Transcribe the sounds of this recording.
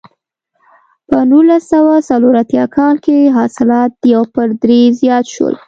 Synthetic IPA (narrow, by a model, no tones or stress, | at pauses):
pənulasawasaloɾat̪jɑkʰɑlkeɦɑsɪlɑt̪̚d̪əjawpəɾd̪ɾezjɑt̪ʃwə̰l